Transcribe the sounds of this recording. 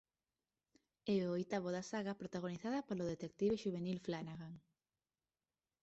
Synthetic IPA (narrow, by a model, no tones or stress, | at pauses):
ɛoojt̪aβoðasaɣapɾot̪aɣ̞oniθaðɐpoloðet̪ek̚t̪iβeʃuβenilflanaɣaŋ